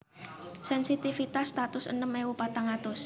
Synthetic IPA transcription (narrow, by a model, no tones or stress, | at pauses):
sɛnsit̪ifit̪asːt̪at̪ʊsə̰nəmeupat̪aŋat̪ʊs